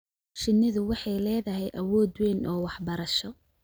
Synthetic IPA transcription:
ʃɪnːɪðʊwɑħɑjlɛːðɐɦɛjʔɐwɔːd̪wɛːnʔɔːwɑħbɐɾɐʃɔ

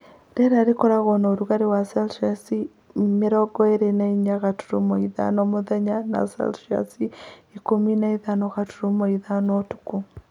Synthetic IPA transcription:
dɛɾaɾekɔɾaɣɔnaoɾuɣaɾewasɛlʃiasi | meɾɔɡɔeɾenaiɲaɣatu̥ɾomɔiða̰nɔmoðɛɲana̰sɛ̰lʃia̰siikominaiðanɔɣatuɾomoiðanɔtu̥ko

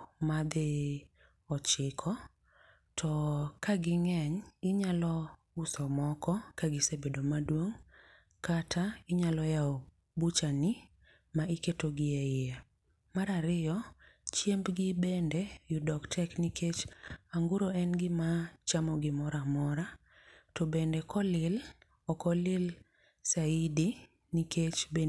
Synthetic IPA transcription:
mad̪ɪ | ɔt͡ʃɪkʰɔ | tʰɔkaɡɪŋɛɲɪɲalɔ | ʊsɔmɔkɔkaɡɪsebedomadwoŋ | katʰaɪɲalɔjao | but͡ʃanɪ | maʔiketoɡɪɛɪe | maɾaɾɪɔt͡ʃjembɡɪbendɛjudɔktʰɛknikʰet͡ʃaŋɡuɾoɛnɡɪmat͡ʃamɔɡɪmɔɾamɔɾa | tobendɛkʰɔlɪl | ɔkɔlɪl | saidi | nikʰet͡ʃbe

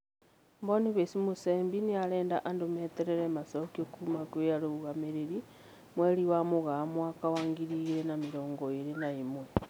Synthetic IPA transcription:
mboniβesimuseːmbinialeːndaʔandumeteɾeɾemasokiokumakwejaluɣameɾeɾi | mweliwamuɣamwakawaːŋɡiɾiɣɾenamiɾoːŋɡoiɾenaimwe

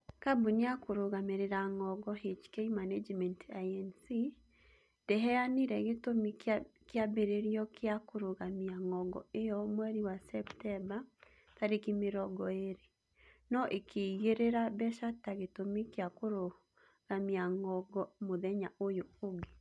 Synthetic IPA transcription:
kabuneakoɾoɣameɾeɾaŋɔɡɔɦet͡ʃkeimaned͡ʒmɛntaɛnsi | dɛɦɛaniɾɛɣetomikjabeɾeɾjɔkeakoɾoɣamiaŋɔɡɔ̰ejɔmwɛɾiwasɛptɛba | taɾekimeɾɔɡɔeɾe | nɔʔekʰeiɣeɾeɾabɛʃataɣetomikeakoɾo | ɣamiaŋɔɡɔmoðɛɲaʔojooɡe

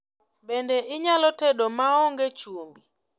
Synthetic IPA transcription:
bendeʔɪɲalɔtedomaɔŋɡet͡ʃumbi

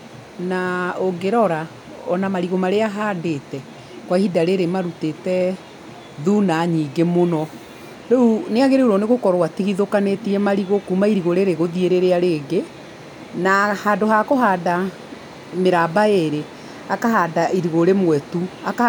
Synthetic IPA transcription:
naoɡeɾɔɾa | ɔnamaɾiɣomaɾeaɦaːdetɛ | kwahidaɾeɾemaɾutetɛ | ðunaɲiːɡemonɔ | ɾɛuneaɣeɾeuɾɔneɣokɔɾwatiɣiðokanetiɛmaɾiɣokumaiɾiɣoɾeɾeɣoðieɾeɾeaɾeːɡe | nahaːdoɦakoɦaːda | meɾabaeɾe | akaɦadaʔiɾiɣoɾemwɛtuaka

